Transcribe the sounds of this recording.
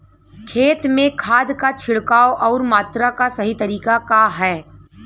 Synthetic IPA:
kʰeːt̪mẽkʰaːd̪kat͡ʃʰɪɽkaːoʔɔːɾmaːt̪ɾakasɐɦit̪ɐɾiːkakaɦɛː

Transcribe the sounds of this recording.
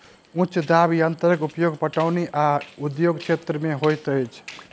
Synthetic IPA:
ũt͡ʃd̪abiənt̪əɾəkupjoɡpəʈawneʔaud̪joɡt͡ʃʰet̪ɾəmeɦojt̪əjt͡ʃʰ

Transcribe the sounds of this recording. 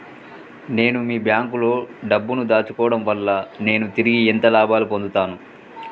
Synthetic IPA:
ne̞ːnumiːbjaːŋkulo̞ːɖɐbːunud̪aːt͡ʃukɔːɐɽɐmʋɐlːɐne̞ːnut̪iɾiɡiɛnt̪ɐlaːbaːlupond̪ut̪aːnu

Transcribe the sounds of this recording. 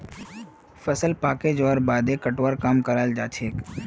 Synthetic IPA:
fəsəlpaːked͡ʒoəɾbaːd̪ekəʈwəɾkaːmkəɾald͡ʒaːt͡ʃʰeːk

